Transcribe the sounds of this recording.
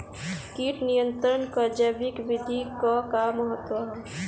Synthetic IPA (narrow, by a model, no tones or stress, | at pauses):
kiːʈnijə̃nt̪ɾənkəd͡ʒəbɪkʋid̪ʱikakaməɦət̪wəɦɛ